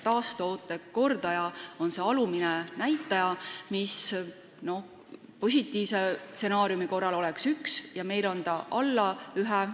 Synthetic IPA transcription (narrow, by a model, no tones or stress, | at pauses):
t̪ɑːst̪oːt̪ːˑe̞ko̞rd̪̥ɑjɑo̞nse̞ɑluminɛnæjt̪ːˑɑjɑmis | no̞ | po̞s̬ʲit̪ːˑiːvse̞se̞nɑːɾijumiko̞rːɑlo̞lɛksyksjɑme̞jlo̞nt̪ɑʔɑlːɑyɦɛ